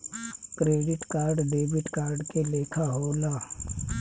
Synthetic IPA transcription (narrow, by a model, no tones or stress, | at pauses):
kɾeːɖɪʈkaːɾɖɖeːbɪʈkaːɾɖkeleːkʰaɦoːlaː